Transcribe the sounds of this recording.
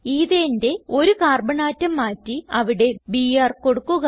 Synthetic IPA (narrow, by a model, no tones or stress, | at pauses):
iːðejɐnde̞o̞ɾukaːrbɐɳaːtːɐmːaːtːiɐʋiɽe̞biːjaːrko̞ɽukːuɣɐ